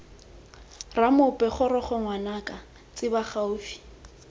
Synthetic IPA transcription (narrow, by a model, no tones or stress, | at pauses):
ramʊpʼɛχʊɾɔχɔŋwanakʼa | t͡sʼɪbaχaʊːfi̥